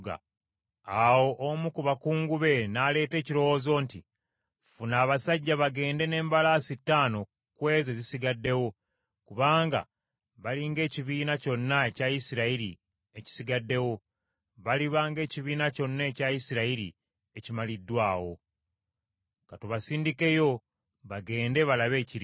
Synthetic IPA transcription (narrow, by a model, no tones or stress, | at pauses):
ɡa̰ | awo̞ʔomukuβakuːŋɡuβe̞nale̞ːte̞ːciɾo̞wo̞ːzo̞nti | funaːβasaɟːaβaɡe̞ːnde̞ne̞ːmbalaːsitːaːno̞ | kwe̞ːzezisiɡadːe̞wo̞ | kuβaːŋɡa̰ | βaliŋɡe̞ːciβiːnaco̞nːae̞caisiɾaiɾḭ | e̞ci̥siɡadːe̞wo̞ | βaliβaːŋɡe̞ːciβiːnaco̞nːeːcajisiɾaiɾḭ | ecimalidːwaːwo̞̰ | katuβasiːndike̞jo̞ | βaɡe̞ːnde̞βalaβe̞ːciɾi